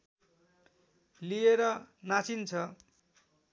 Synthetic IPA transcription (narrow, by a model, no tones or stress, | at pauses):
lijeɾʌnat͡sint͡sʰʌ